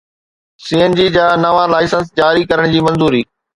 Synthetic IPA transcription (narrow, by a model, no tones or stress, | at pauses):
siːənd͡ʑiːd͡ʑaːnɐʋãlaːɪsə̃ns̬d͡ʑaːɾikɐɾəɽ̃d͡ʑiːmɐ̃nzuːɾiː